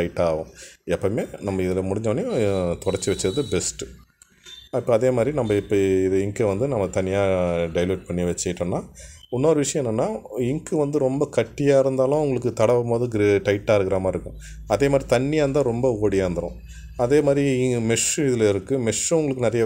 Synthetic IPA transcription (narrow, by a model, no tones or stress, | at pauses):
ɐɪʈːaːʋõɛpːɐmeːnɐmːɐɪðɪlɐmʊɽɪɲd͡ʒɐʋɐnjõt̪ɔɽɐɾt͡ʃːiʋɛt͡ʃːɪɾɐðɯbɛsʈɯ̥ | ɪpːɐɐðeːmaːd̪ɾinɐmːɐɪpːoɪðɯɪŋkeʋɐnd̪ɯnɐmːɐt̪ɐnːɪjaːɖɐɪloːʈ̚pɐɳːiʋɛt͡ʃːɐɪʈːõnːaːʊnːoːɾɯʋɪʂɐj̃ɛnːɐnːaːɪŋkɯʋɐnd̪ɯɾɔmbɐkɐʈːɪjaːɪɾɯnd̪aːlʊ̃ʊŋɡɐɭɯk̬ːɯt̪ɐɽɐʋɐmpoːðɯ̃ɡɾʈɐɪʈːaːɾɯkːɪɾaːmaːɪɾɯkːʊ̃ | ɐðeːmaːd̪ɾit̪ɐɳːɪjaːɐnd̪ãːɾɔmbɐoːɽɪjaːɾnd̪ɐɾʊ̰̃ | ɐðeːmaːd̪ɾimɛʂɪðɪlɐɪɾɯkːɯmɛʂʊŋɡɐɭɯkːɯnɐɾɐjɐ